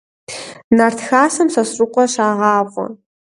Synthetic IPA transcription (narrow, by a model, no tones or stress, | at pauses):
nɐrtxaːsɐmsɐsrʊqʷʼɔɕaːʁɑːʁʷʼɔ̰